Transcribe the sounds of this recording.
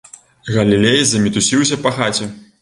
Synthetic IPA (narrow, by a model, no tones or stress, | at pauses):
ɣɐlʲilʲejzɐmʲit̪usʲiws̬ʲɐpɐxat͡sʲɛ